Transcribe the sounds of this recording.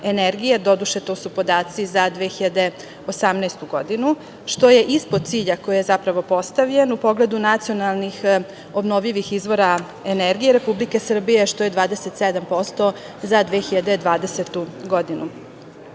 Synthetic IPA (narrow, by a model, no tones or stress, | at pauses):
e̞neɾɡijed̪o̞d̪uʃe̞t̪o̞ːsupo̞d̪aːt̪sizad̪ʋeːxiʎad̪e̞ | o̞samnɛːst̪uɡo̞d̪inu | ʃt̪o̞je̞ʔispod̪̚t̪siːʎako̞jije̞zapɾaʋo̞po̞st̪aʋʎe̞nupo̞ɡle̞d̪unat̪sio̞nalˠnix | o̞bno̞ʋʎiʋixizʋo̞ɾa | e̞neɾɡijeɾe̞publike̞sr̩bijeʃt̪ojed̪ʋaːd̪eset̪sed̪ampo̞st̪o̞ | zad̪ʋexiʎad̪ed̪ʋaːd̪e̞set̪uɡo̞d̪inu